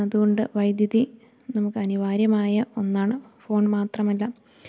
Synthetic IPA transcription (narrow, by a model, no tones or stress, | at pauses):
ɐðuɣo̞ɳɖɨʋɐjd̪jɐði | nɐmukːɨɐniʋaːɾjɐmaːjɐo̞nːaːɳɨfo̞ːɳmaːt̪rɐmɐlːɐ